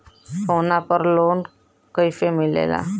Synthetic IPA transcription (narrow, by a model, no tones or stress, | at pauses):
sonapəɾlon | kəjfemilḛla̰